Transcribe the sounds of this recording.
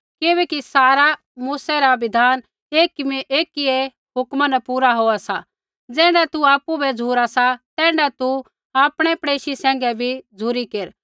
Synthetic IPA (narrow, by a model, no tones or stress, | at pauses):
kɪʋɛːkisaːɾa | muːsɛɾaʋɪd̪ʱaːn | eːkmiʔeːkie | ɦʊkmanɛpuːɾaɦoːasa | d͡zɛːɽat̪uaːpːubɛd͡zʱuːɾasat̪ɛ̃ːɖat̪u | aːpɽ̃ɛpɽeːʃisɛ̃ːŋ̆ɡɛbʱid͡zʱuɾikeːɾ